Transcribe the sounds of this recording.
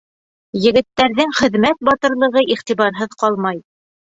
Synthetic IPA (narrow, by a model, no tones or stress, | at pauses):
jɘ̆ɡɘ̆t̪ːæɾðɘŋχɘ̆ðmæt̪̚bɑt̪ɤ̆ɾlˠɤ̆ʁɤʔiχt̪iβɑɾɦɤðqɑlˠmɑj